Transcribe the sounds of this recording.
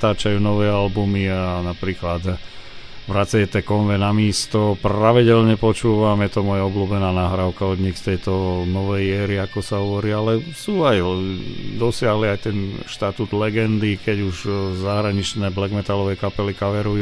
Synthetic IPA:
t̪aːt͡ʃajuːnɔʋɛːalbumianapɾiːklad̪ | ʋɾat͡sajɛt̪ɛkɔnʋɛnamɪiːst̪ɔpraʋiɟɛlɲɛpɔt͡ʃuːʋamjɛt̪ɔmuɔajaɔbluːbɛnaːnaɦɾaːʊkaɔd̪ɲixst̪ɛjt̪ɔnɔʋɛjɛːɾiakɔsaɦɔʋɔɾiːalɛsuːaj | d̪ɔsɪaɦliajt̪ɛnʃt̪at̪ud̪lɛɡɛnd̪ikɛɟuʒzaɦɾaɲit͡ʃnɛːblɛɡmɛt̪alɔʋɛːkapɛlikaʋɛɾuj

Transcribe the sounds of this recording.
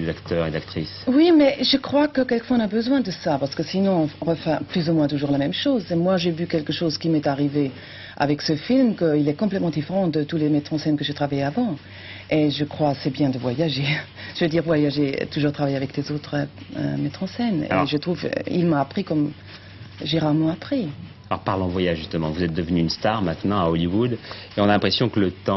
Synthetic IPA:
ezakt̪œʁḛd̪a̰kt̪χḭswimɛʒəkχwakəkɛlkə̥fwɔ̃ɛ̃ɔ̃nabəzwɛ̃d̪əsapaʁsə̥kəsinɔ̃ʁəfɛplyzumwɛ̃t̪uʒuːʁlamɛmʃoːzemwaʒevykɛlkəʃoːzkʲimɛt̪aʁive | a̰vɛksəfilmkəilɛkɔ̃plɛt̪mɑ̃d̪ifeʁɑ̃d̪ət̪ulemɛt̪χɑ̃sɛnkəʒet̪χavajeavɑ̃ | eʒəkχwasebjɛ̃d̪əvwajaʒe | ʒ̥əvød̪iʁvwajaʒḛt̪uʒuʁt̪χavajeavɛklezot̪χəø̰mɛt̪χɑ̃sɛnḛʒət̪χuv̰ḭlmaːpχikɔm | ʒeʁaʁmɑ̃apχi | alɔ̰ʁpaʁlɑ̃vwajaʒʒyst̪əmɑ̰̃vuzɛt̪̚d̪əvnyːnst̪aʁmɛ̃t̪nɑ̃aɔliwud̪eɔ̃nalɛ̃pχesjɔ̃kələt̪ɑ̃

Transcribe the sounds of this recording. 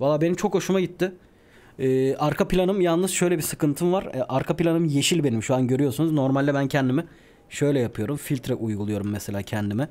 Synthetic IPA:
valˠːaːbe̞nimt͡ʃʰo̞kho̞ʃumaɟit̪ʰːɪ | ɛːaɾkʰapʰilʲanɯmjalˠnːɯz̥ʃø̞jlʲɛbisɯkʰɯnt̪ʰɯmvaɾʔaɾkʰapilʲanɯmje̞ʃilʲbe̞nimʃuanɟø̞ɾyjo̞sunuzno̞ɾmalʲd̪ɛbæncʰɛnd̪imɛ | ʃø̞jlʲɛjapɯjo̞ɾumfilʲt̪ʰɾɛʔujɡulˠujo̞ɾumːeselʲaːcʰɛnd̪imɛ

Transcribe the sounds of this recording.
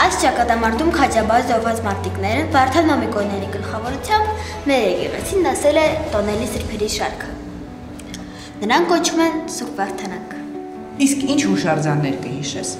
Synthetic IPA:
ɑjst͡ʃɑkɑt̪ɑmɑɾt̪ʰumkʰɑd͡ʒɑbɑɾzɔɾvɑt͡smɑɾt̪iknɛɾəvɑɾt̪ʰɑnɔmikɔnɛɾiɡəlχɑvɔɾut͡sʰjɑmb | mɛɾɛɡɛʁɛ̰t͡sʰinːɑsɛlɛt̪ɔnɛlisəɾpʰɛɾiʃɑɾkʰə | nəɾɑŋkkɔt͡ʃʰumɛnsuɾvɑɾt̪ʰɑnɑk | iskʰint͡ʃʰmuʃɑɾd͡zɑnːɛɾkəhiʃɛt͡sʰ

